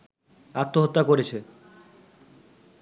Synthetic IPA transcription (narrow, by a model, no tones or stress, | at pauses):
at̪ːoɦot̪ːakoɾet͡ɕʰe